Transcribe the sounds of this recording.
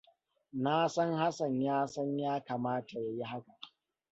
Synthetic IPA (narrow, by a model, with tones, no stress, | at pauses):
naː˦sɐ˦ŋha˦sɐ˨ɲjaː˦sɐ˦ɲjaː˦kaː˨maː˦ta˨ja˨ji˦ɦa˦ka˨ʔ